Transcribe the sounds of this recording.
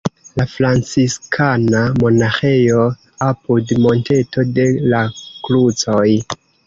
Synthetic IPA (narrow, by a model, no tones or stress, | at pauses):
lafɾant͡siskʰanamo̞naxejo̞ | apudmo̞nte̞to̞de̞laklut͡so̞j